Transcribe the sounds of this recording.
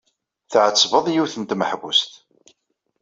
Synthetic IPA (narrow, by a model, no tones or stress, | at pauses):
θʕət͡sːvəðˤjiwθənt̪məħvust̪